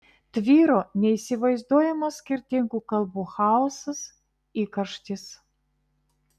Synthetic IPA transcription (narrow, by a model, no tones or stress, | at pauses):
t̪ʲʋʲiːɾoːnʲɛisʲɪʋɐɪzd̪uɔjɛmɐsːʲkʲɪɾʲt̪ʲɪŋɡuːkɐlˠbuːxɑːɔsɐs | iːkɐʃt̪ʲɪs